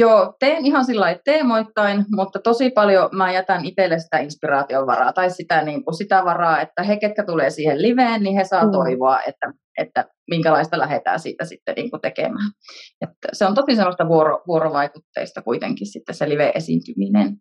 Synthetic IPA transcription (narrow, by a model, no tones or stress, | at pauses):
joːt̪eːnihɑnsilːɑitt̪eːmoit̪ːɑinmut̪ːɑt̪osipɑljomæjæt̪ɑnit̪elːesi̥t̪æinspirɑːt̪ioʋʋɑ̰rɑ̰ːt̪ɑissit̪æniːŋkusit̪æʋɑrɑːet̪ːæheket̪̚kæt̪uleːsiːhelliʋeːnnihesɑːt̪oiʋoɑʔḛt̪ːæ | ʔet̪ːæ | miŋkælɑist̪ɑlæhet̪æ̰ːsḭːt̪æsit̪ːḛnḭːŋkut̪ekḛmæːnet̪ːæseont̪osisemːˑost̪ɑʋuoro̰ʋuoɾoʋɑikut̪ːḛist̪ɑkuit̪ḛŋkissit̪ːesseliʋeʔesḭnt̪yminḛn